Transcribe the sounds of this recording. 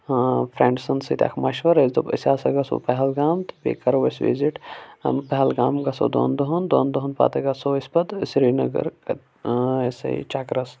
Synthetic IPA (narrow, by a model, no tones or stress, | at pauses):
pʰɾeɳɖsɐnsit̪ʲa̰ːkʰmaʃʋɐɾɐzd̪oḭsaːsɐɡɐso̰pɐɦɐlɡaːmt̪pḛːkɐɾoʋesʋḭziʈpɐɦɐlɡaːmɡɐso̰ːd̪o̰ːnd̪oɦɐnd̪o̰ːnd̪oɦɐnpa̰ːt̪ɐɡɐsoːispɐd̪sɾinɐɡɐ̰ɾkɐ | esḛt͡ʃaːkɾɐs